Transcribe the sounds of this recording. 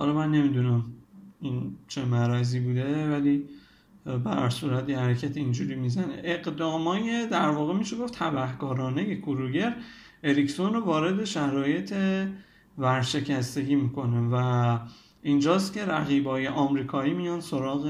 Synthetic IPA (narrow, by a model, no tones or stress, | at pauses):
hɒ̰lɒmænːe̞mid̪unæmint͡ʃʰemæɾæziːbuːd̪e̞væli | bæ̰ɾsuːɾæt̪ihæɾecʰæt̪ʰeind͡ʒuɾimizænḛʔeɡd̪ɒːmɒːje̞d̪æɾvɒːɣemiʃeɡo̞ft̪ʰæbæhɡɒːɾɒːne̞je̞kʰuɾuɟeɾ | eɾicsonɾovɒːɾe̞d̪e̞ʃæɾɒːje̞t̪ʰe | væɾʃe̞cʰæst̪e̞ɟiːmiːkʰo̞nevæ | ʔind͡ʒɒːs̬t̪ce̞ɾæɣiːbɒːje̞ʔɒːmɾiːkʰɒːiːmijɒnso̞ɾɒːɣe